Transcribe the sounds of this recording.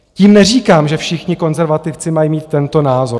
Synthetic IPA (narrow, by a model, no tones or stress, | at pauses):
ciːmnɛriːkaːmʒɛfʃɪxɲɪko̞nzɛɾvat̪ɪft͡sɪmajimiːt̪̚ːɛnt̪o̞naːzo̞ɾ